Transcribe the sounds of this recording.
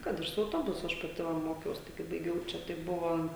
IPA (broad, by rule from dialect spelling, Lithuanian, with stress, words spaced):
ˈkɐt ɪr sʊ ɐʊˈtoːbʊsʊ ˈɐʃ pɐˈtʲɪ ʋɐ ˈmoːkʲɛʊs ˈtɐɪ kɐɪ bɐɪˈɡʲɛʊ ˈt͡ʃʲɛ tɐɪ ˈbʊʋoː